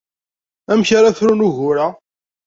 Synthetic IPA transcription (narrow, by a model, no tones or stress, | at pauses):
æmçaɾaθɾunuʝʊɾa